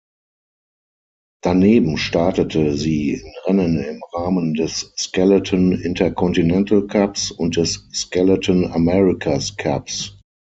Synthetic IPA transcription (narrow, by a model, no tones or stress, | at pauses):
d̥aneːbm̩ʃtaɐtətʰəziːɪnʁɛnə̃nɪmʁaːməndɛsːkɛlətʰənɪntʰɐkʰɔntinɛntlkʰapsʊnt̚d̥ɛsːkɛlətʰənamɛʁɪkʰaskʰa̰ps